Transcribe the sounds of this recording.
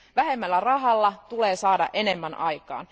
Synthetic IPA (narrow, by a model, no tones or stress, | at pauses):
ʋæɦe̞mːælːærɑɦɑlːɑt̪ule̞ːsɑːdɑ̰ʔe̞nemːænʔɑjkɑ̰ːn